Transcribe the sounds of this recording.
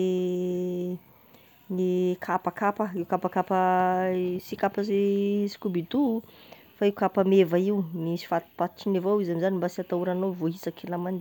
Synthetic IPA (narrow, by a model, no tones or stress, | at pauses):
nikʰapakapəiukapakapə | sikapəzesi̥kubit̪u | faiukapamevaiunisi̥fat̪i̥pat̪u̥ʈ͡ʂinevowizamizanimbasiat̪auɾanovoisakilaman